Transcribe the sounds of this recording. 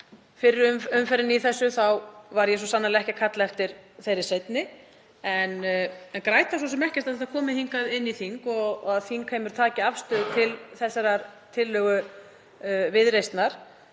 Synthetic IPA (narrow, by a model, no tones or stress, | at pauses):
fɪɾɪɾʏmʏmfɛɾɪniθɛsːʏθawvaɾjɛs̬ɔsanːalɪɛhcɪkʰat̪laɛft̪ɪɾ̥θejɾɪsejt̪nɪ | ɛnɛnkɾaːjt̪asɔsɛmɛhcɪst̪aðɛt̪akʰɔːmɪhiŋkaðɪnːiθiŋkɔɣaðθiŋkʰejmɪɾt̪ʰaːcɪafst̪œːðʏt̪ʰɪlθɛsːaɾaɾt̪ʰɪlːœːɣʏ | vɪðɾejst̪naɾ̥